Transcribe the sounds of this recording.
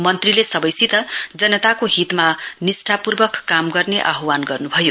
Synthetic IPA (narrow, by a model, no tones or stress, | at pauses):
mʌnt̪rilesʌbʌjsit̪ʌd͡zʌnːʌt̪akoɦit̪manisʈʰapurbʌkːamɡʌrneʔa̰ɦwanɡʌrnubʱʌjo